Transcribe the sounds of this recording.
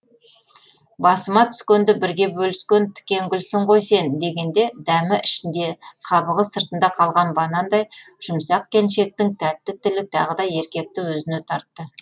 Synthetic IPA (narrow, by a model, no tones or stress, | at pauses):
bɑsəmɑt̪ʰʏ̥skʲend̪ɪbɪɾɡʲe̞bɵlɪskʲent̪ʰʏ̥kʲe̞ŋɡʲʏlsɪɴqʰo̞jse̞nd̪e̞ɡʲe̞nd̪e̞d̪æmɪʔɪʃɪnd̪e̞qʰɑbəʁəsəɾt̪ənd̪ɑqʰɑlˠʁɑnbɑnɑnd̪ɑjʒ̥ʊmsɑq̚kʲʰe̞nʃe̞k̚t̪ɪŋt̪ʰæt̪ːɪt̪ʰɪlɪt̪ʰɑ̰ʁəd̪ɑje̞ɾkʲe̞k̚t̪ɪwɵzɪne̞t̪ʰɑɾt̪ːə